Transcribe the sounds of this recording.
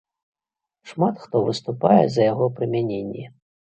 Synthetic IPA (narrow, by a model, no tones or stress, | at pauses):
ʂmat̪xt̪ɔvɨst̪upajɛ̰zɐjaɣɔpɾɨmʲanʲenʲːɛ